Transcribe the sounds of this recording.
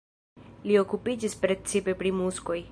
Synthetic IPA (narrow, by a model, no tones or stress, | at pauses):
lio̞kupid͡ʒispɾe̞t͡sipe̞pɾimusko̞j